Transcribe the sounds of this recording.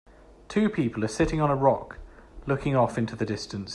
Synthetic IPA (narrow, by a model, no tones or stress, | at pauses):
tʰʉːpʰiˑpəlˠəsɪtɪ̃ŋə̃nəɹɒklʊkɪ̃ŋɒfɪ̃ntʰʉðədɪstə̃ns